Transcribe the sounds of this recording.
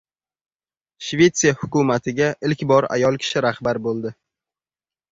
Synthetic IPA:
ʃve̞t̪sijahʊkʊmat̪ʰɪɡʲaʔɪlkʲbɒɾa̰jɒlˠkʲʰɪ̥ʃɪɾahbaɾbolˠd̪ɪ

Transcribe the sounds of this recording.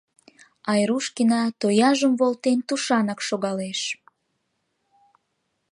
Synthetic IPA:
ɑjɾuʃkinɑt̪ojɑʒəmvolt̪ent̪uʃɑnɑkʃoɣɑleʃ

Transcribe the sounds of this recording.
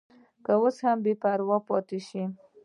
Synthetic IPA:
kəwoshambepaɾwɑpɑt̪eʃi

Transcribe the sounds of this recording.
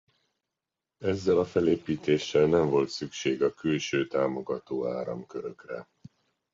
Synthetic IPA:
ɛzːɛlɒfɛleːpiːt̪eːʃːɛlnɛɱvo̞lt̪sykʃeːɡɒkylʃøːt̪aːmo̞ɡɒt̪oːaːɾɒ̰mkøɾøkrɛ̰

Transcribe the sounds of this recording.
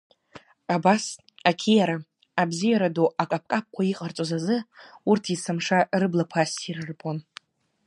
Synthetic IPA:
abas | akʲʰijaɾaː | bzijaɾadoʔakʼap̚ʰkʼap̚kʷʰaiqʼart͡sʷʼozazɨurtʰisɨmʂarɨblapʰasirɨrpʰʼon

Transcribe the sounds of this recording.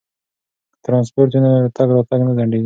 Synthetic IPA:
t̪ɾɑ̃nspoɾenat̪aɡɾɑt̪aɡnazaɳɖeɡi

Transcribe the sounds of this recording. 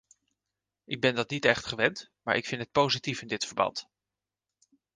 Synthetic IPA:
ʔɪɡ̚bɛndɑtnitɛχtχəʋɛntmaːɹʔɪkfɪntɦət̚powzitifɪndɪtfəɹbɑ̰nt

